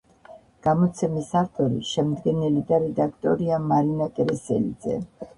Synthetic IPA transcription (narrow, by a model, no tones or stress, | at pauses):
ɡ̥amɔt̪sʰɛmisaft̪ʼɔɾḭʃɛmd̪ɡɛnɛlid̪aɾɛd̪akʰt̪ʼɔɾiamaɾinakʼɛɾɛsɛ̰lid̪zɛ̰